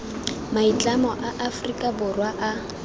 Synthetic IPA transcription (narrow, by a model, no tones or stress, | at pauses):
mait͡ɬʼamɔʔaʔafrikʼabʊrwaʔa